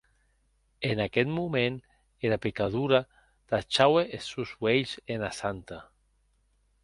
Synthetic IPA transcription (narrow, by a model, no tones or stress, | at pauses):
enakɛt̪mumen | eɾapekaðuɾa | t̪at͡ʃaweʔesuzweʎzenasant̪a